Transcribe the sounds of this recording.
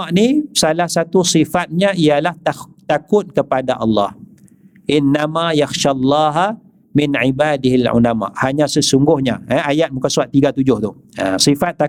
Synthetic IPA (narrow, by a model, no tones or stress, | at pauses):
aʔnisalahsat̪usifat̪̚ɲãijalah̪t̪akʊt̪̚kəpadaʔɑlːɑh | ʔɪnːamajaxʃalːɑːɦa | mɪnʕibaːdɪɦalʕṵlama̰ʔhaɲãsəsuŋɡʊhɲaəajat̪̚mũkansuat̪ːiɡat̪ud͡ʒʊht̪ʊh | a̰sifat̪ːa